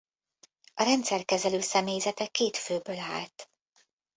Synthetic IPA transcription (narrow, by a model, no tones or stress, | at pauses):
ɒɾɛnt̪sɛrkɛzɛløːsɛmeːjzɛt̪ɛkeːt̪føːbøːla̰ːlt̪